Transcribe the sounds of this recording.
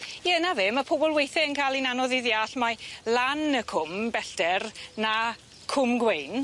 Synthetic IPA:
jənavɪməpʰobɔlˠwejθɪənkʰajlˠinanɔðɪðjaɬmajlanəkʰʊmbɛɬd̥ɛrna | kʰʊmɡwejn

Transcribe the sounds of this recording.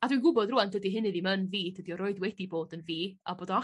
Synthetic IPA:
adwinɡʊbɔdrʊːandədiɦɪnɨðimənviːdədiɔɾoɨdwɛdiboːdənviːaboːdɔa

